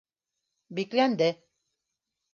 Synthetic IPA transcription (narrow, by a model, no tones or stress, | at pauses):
biklʲænd̪ɘ